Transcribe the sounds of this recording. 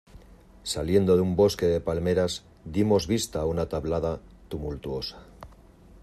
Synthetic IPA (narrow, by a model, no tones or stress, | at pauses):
salje̞nd̪o̞ðumbo̞ske̞ðe̞palme̞ɾaz | d̪imo̞zβist̪aunat̪aβlaðat̪umult̪uo̞sḁ